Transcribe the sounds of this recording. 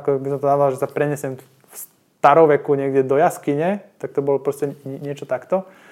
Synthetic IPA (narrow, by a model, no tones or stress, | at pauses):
kɔbisɔmt̪ɔnadalʒɛsapɾɛɲɛsɪɛm | fs | t̪aɾɔmʋɛkuɲɪɛɡdʲɛd̪ɔjaskiɲɛt̪ak̚t̪ɔbɔlɔpɾɔscɛɲɲɪɛt͡ʃɔt̪akt̪ɔ